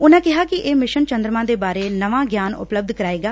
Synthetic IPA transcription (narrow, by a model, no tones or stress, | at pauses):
ʊnãːkɪɦaːkɪʔeːmɪʃənt͡ʃənd̪ɾəmãːd̪eːbaːɾeːnəʋãːɡjaːnʊ̰pləb̚d̪kəɾaːeːɡaː